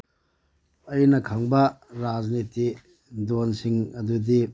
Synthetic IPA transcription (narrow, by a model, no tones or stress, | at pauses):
ɐjnɐkʰaŋbɐɾad͡ʒniti | donsiŋɐdudi